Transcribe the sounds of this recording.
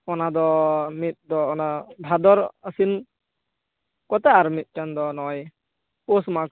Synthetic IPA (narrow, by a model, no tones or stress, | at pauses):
ɔnad̪ɔmit̪̚d̪ɔːnabʱad̪ɔɾasin | kɔt̪ɛaɾmit̪̚ˀt͡ʃand̪ɔnɔj | posmak